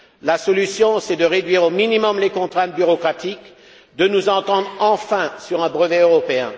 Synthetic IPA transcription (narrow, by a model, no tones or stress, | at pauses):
lasɔlysjɔ̃sɛd̪əʁed̪ɥiʁominimɔmlekɔ̃t̪χɛ̃t̪̚byʁɔkχat̪ik | d̪ənuzɑ̃t̪ɑ̃d̪ʁɑ̃fɛ̃syʁɛ̃bʁəvɛøʁɔpeɛ̃